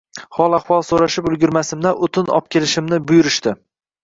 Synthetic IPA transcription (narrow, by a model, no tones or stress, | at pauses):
hɒlˠaχwɒlˠsoɾaʃɪpʊlˠɡʲʊɾmasɪmd̪aʔʊt̪ʰɪnɒ̰p̚kʲʰe̞lɪʃɪmnɪbʊjʊɾɪʃt̪ɪ